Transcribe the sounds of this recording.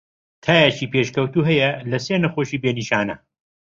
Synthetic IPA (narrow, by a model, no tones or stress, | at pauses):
t̪ʰaːjɐt͡ʃiːpeːʃkɐwt̪uːɦɐjɐlɐseːnɐxoʃiːbeːniːʃaːnɐ